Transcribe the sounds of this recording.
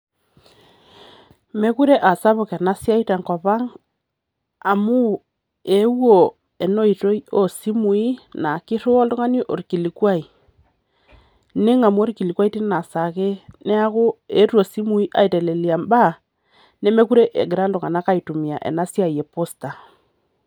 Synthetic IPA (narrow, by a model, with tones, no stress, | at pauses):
me˦ku˦ɾe˦ʔa˨sa˦βo˨kɛ˨na˦sja˦i˦ta˨ŋkɔ˨pa˦ŋ | a˨mu˦ | e˨˦wo˨ | e˨no˦i˨to˦i˦o˦˨si˦mu˨i˦na˨ki˦ɾʊ˦ɔ˦lʊ˦ŋa˦ni˦ʔo˨ɾki˨li˨kwa˦i˨ | ne˦ŋa˨mwo˦ɾiki˨li˨kwa˦i˦ti˦na˨sa˨ke˦nɛ˦a˦kʊ˦e˨˦rwo˨si˦mu˦i˦ʔa̰˨i˨tɛ˨le˨li˨a˨mba˦ | ne˦me˦ku˦ɾe˦ʔḛ˨ɡɪ˨ɾa˦ldʊ˨ŋa˨na˦ka˦i˨tu˨mi˨a˨ʔɛ̰˨na˦sja˦˨je˨po˦sta˨